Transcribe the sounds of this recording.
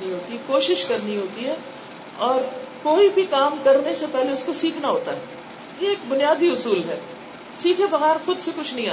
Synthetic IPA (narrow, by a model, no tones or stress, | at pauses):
iɦoːt̪ikoːʃɪʃkɐɾnĩɦoːt̪iɦɛ | ɔːɾkoːibʱikaːmkɐɾnesepɛɦleʊskosiːkʰnaɦoːt̪aɦɛː | jeeːkbʊnijaːd̪iʊsuːlɦɛː | siːkʰebɐɣɛːɾxʊd̪sekʊt͡ʃʰnɐɦĩaː